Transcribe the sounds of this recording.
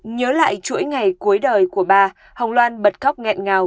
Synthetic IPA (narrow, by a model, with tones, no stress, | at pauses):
ɲəː˨˦la̰ː˧˨jt͡ɕṵ˧˥əjŋa˨˩jku˨˦jɗəː˨˩jku˧˩əɓaː˧ | hə˨˩wŋ͡mlwaː˧nɓə˨˩t̚ka˦˥wk͡p̚ŋɛ̰˧˨nŋaː˨˩w